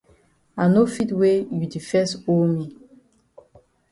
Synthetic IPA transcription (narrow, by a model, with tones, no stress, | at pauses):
a˨no˦fi˦twe˦ju˨di˨fɛ˦so˦mi˨